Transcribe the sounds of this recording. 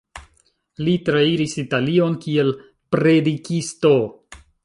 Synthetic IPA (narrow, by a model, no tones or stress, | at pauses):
litɾaiɾisitalio̞nkie̞l | pɾe̞dikisto̞